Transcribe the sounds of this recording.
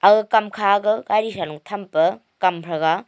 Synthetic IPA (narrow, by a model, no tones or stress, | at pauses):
aɡɯkamkʰaɡɯɡajɾisanuŋtʰɐmpɐ | kampʰɾɐɡa